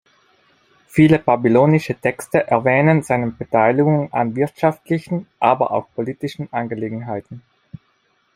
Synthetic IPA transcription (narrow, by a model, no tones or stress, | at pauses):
fiːləbabiloːnɪʃətʰɛkstəʔɛɐvɛːnənzaɪnənb̥ətʰaɪlɪɡʊŋa̰nvɪɐtʃaftlɪçn̩ʔaːbɐ̰ʔa̰ʊxpʰoliːtɪʃn̩ʔanɡəleːɡŋ̩ɦaɪtn̩